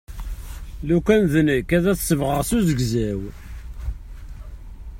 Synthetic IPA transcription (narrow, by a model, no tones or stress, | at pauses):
lukænðənəkːæðæθsəvʁəʁsuzəɡzæw